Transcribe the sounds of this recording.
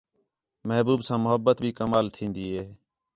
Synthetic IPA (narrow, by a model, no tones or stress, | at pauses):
məɦbuːbsãːmʊɦəbːət̪bʱiːkəmaːlt̪ʰĩːnd̪iːɦeː